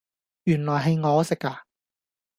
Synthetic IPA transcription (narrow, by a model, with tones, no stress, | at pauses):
jyː˨˩nlɔː˨˩jɦɐ˨jŋɔː˨˧sɪ˨k̚aː˧